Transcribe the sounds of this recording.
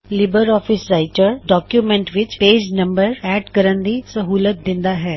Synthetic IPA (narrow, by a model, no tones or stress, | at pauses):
lɪbəɾɔːfʰɪsɾaːɪʈəɾɖɔːkjumɛ̃ɳʈʋɪt͡ʃpeːd͡ʒnə̃mbəɾɛːɖkəɾənd̪isəɦuːlət̪̚d̪ɪ̃nd̪aːɦɛː